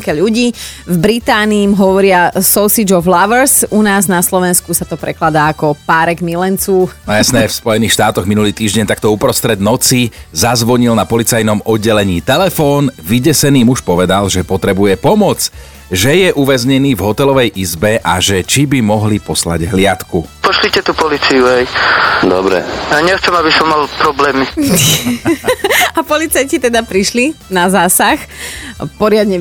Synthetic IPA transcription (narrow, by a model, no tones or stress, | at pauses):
kɛʎuɟiːvbɾit̪aːniːmɦɔʋɔɾɪasɔʊsid͡ʒɔflaʋɛɾsunaːznaslɔʋɛnskusat̪ɔpɾɛklad̪aːakɔpaːɾɛɡmilɛnt͡suːjasnɛfspɔjɛniːxʃt̪aːt̪ɔɣminuliːt̪iːʒɟɛɲt̪akt̪ɔupɾɔst̪ɾɛd̪nɔt͡sizazʋɔɲilnapɔlit͡sajnɔmɔd̪̚ɟɛlɛɲiːt̪ɛlɛfɔːnʋiɟɛsɛniːmuʃpɔʋɛd̪alʒɛpɔt̪ɾɛbujɛpɔmɔt͡s | ʒɛjɛʔuʋɛzɲɛniːvɦɔt̪ɛlɔʋɛjʔizbɛʔa̰ʒɛt͡ʃibimɔɦlipɔsla̰ɟɦlɪat̪kupɔʃlicɛt̪upɔlit͡sijuɦɛjd̪ɔ̰bɾɛ̰jaɲɛxt͡sɛmabisɔmːalpɾɔblɛːmi | apɔlit͡sajcit̪ɛd̪apɾiʃlinazaːsax | pɔɾɪad̪ɲɛ